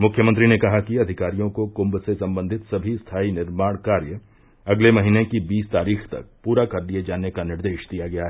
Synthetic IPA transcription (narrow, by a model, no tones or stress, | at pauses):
mʊkʰjəmə̃nt̪̬ɾinekɐɦakiɐd̪ʱɪkaːɾijõkokʊ̃mbsesɐ̃mbə̃nd̪ʱɪt̪sɐbʱist̪ʰaːinɪɾmaːɽ̃kaːɾjə | ɐɡlemɐɦinekibiːst̪aːɾiːxt̪ɐ̰k̚puːɾakɐɾd̪ied͡ʒaːnekanɪɾd̪eːʃd̪ijaɡɐjaɦɛː